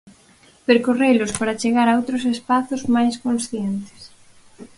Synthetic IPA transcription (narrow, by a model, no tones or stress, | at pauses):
peɾkorejlʊspaɾat͡ʃeɣaɾaowt̪ɾosespaθʊzmajskõnsθjent̪ɪ̥s